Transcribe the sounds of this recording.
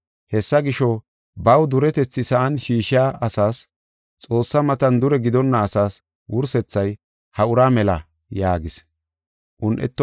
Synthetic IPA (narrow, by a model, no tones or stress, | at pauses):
hɛsːɐɡɪʃɔ | bɐwd̪ʊɾɛt̪ɛt͡sːɪsɐʔɐnʃiːʃɪjaːʔɐsaːs | t͡sʼo̞ːsːɐmɐt̪ɐnd̪ʊɾɛɡɪd̪ɔnːɐːsaːs | wʊɾsɛt͡sːɐj | hɐʊɾaːmɛlɐ | jaːɡɪs | ʔʊnʔɛ̰t̪ːɔ